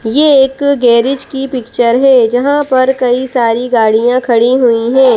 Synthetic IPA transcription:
jeeːkɡɛːɾɪd͡ʒkipɪkt͡ʃəɾɦɛːd͡ʒɐɦãpɐɾkɐisaːɾiɡaːɽijãkʰɐɽiɦuiɦɛ̃ː

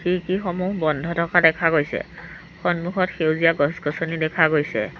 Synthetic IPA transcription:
xikixɔmuɦbɔndʱɔtʰɔkʰadɛkʰaɡojsɛ̰ | xɔnmuxɔtxewzijaɡɔsɡɔsɔnidɛkʰaɡojsɛ̰

